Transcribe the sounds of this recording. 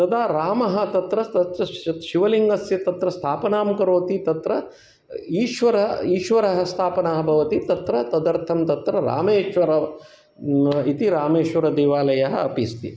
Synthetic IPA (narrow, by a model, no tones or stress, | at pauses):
t̪ɐd̪aːɾaːmɐɦɐ̆t̪ɐt̪ɾɐt̪ɐt̪ɾɐʃiʋɐliŋɡɐsjɐt̪ɐt̪ɾɐst̪ʰaːpɐnaːmkɐɾoːt̪it̪ɐt̪ɾɐ | iːʃʋɐɾɐɦiːʃʋɐɾɐɦɐst̪ʰaːpɐnɐɦɐbʱɐʋɐt̪it̪ɐt̪ɾɐt̪ɐd̪ɐɾt̪ʰɐmt̪ɐt̪ɾɐɾa̰ːmeːʃʋɐɾɐ | it̪iɾaːmeːʃʋɐɾɐd̪eːʋaːlɐjɐɦɐɐpist̪ḭ